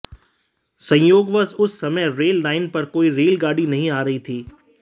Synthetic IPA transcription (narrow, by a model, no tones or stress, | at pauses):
sɐ̃joːɡʋəzʊsːɐməjɾeːlːaːɪnpɐɾkoːiɾeːlɡaːɽinɐɦĩaːɾɐɦit̪ʰiː